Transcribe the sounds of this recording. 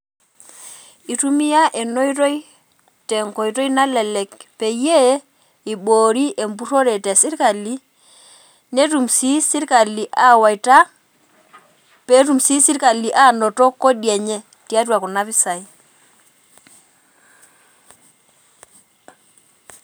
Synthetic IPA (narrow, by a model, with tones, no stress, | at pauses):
i˨tu˦mi˦ja˦ʔe˨no˦i˦ɾɔ˦i˦ | tɛ˨ŋko˨i˨tɔ˦i˦na˦lɛ˨lɛ˨kpe˨˦je˦ | i˨ɓo˨ɾi˦ʔe˨mbu˦ɾo˦ɾɛ˨tɛ˨si˦ɾka˨li˦ | ne˦tu˨msi˦si˦ɾka˨li˨ʔa˨wa˨ta˦ | pe˨˦ɾu˨msi˦si˦ɾka˨li˨ʔa˦nɔ˨tɔ˦kːo˦djɛ˨ɲɛ˦ | ti˦a˦twa˨kɔ˨na˦pi˦sa˨i˦